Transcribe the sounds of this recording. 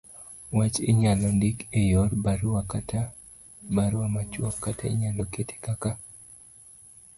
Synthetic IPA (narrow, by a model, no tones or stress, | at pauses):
wat͡ʃɪ̰ɲalɔndikejɔrbaɾwakata | baɾwamat͡ʃwɔkːataḭɲalɔketʰe̥kaka